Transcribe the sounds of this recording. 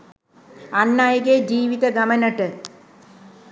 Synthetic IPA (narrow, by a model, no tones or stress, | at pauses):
ɐnːaːjɐɡed͡ʑiːʋid̪ɐɡɐmɐnɐʈːɨ